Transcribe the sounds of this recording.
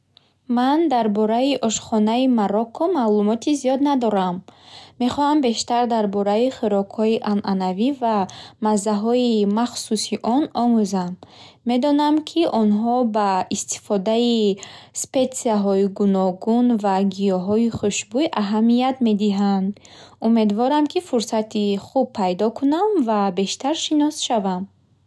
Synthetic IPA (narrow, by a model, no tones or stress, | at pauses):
mand̪aɾbɔɾaiʔɔʃχɔnaimaɾɔkʰːɔmalumɔt̪ʰizijɔd̪nad̪ɔɾamːe̞χɔhambe̞ʃt̪aɾd̪aɾbɔɾaiχiɾɔkhɔiʔanʔanavivamazːaɦɔimaχsusiʔɔnɔmuzan | me̞d̪ɔnamkʰiʔɔnɦɔbaist̪i̥fɔd̪aispe̞t̪siaɦɔiɡunɔɡunvaɡijɔɦɔiχuʃbujʔaɦamijat̪me̞d̪iɦand̪ | ume̞d̪vɔɾamkʰifuɾsat̪ʰiχub̚pʰːajd̪ɔkʰunamvabe̞ʃt̪aɾʃinɔsʃavam